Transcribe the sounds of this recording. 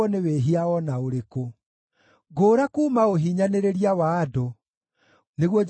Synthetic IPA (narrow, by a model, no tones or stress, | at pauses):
ɔneweːɦiaɔnaoɾeko | ɡoːɾakuːmaoɦiɲaneɾeɾiawaːdo | neɣwɔ